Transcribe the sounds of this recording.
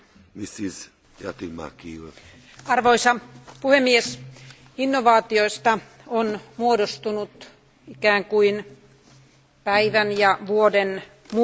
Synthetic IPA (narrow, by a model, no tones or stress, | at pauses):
misiz | ja̰t̪ima̰kiw | ɑrʋoisɑpuhemːies | inːoʋɑːt̪ioist̪ɑ | onmuodost̪unut̪ | ikæːŋkuin | pæiʋænjɑʋuoden | mu